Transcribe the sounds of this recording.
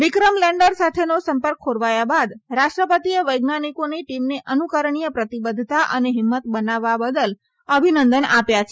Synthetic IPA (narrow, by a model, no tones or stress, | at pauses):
ʋikɾəmlɛ̃ɳɖəɾsat̪ʰenosəmpəɾk̚ʰːoɽʋajabad̪ɾaʃʈɾəpət̪ieʋəjɡnanikoniʈimneʔənukəɾɳijəpɾət̪ibəd̪ʱt̪aʔəneɦɪmːət̪bənaʋːabəd̪əl | əbʱinənd̪ənapjat͡ʃʰe